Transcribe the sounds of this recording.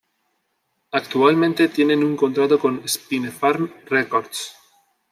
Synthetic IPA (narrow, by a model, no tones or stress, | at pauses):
akt̪ualmẽnt̪e̞t̪je̞nẽ̞nuŋko̞nt̪ɾat̪o̞ko̞nespinefaɾmrekoɾd̪s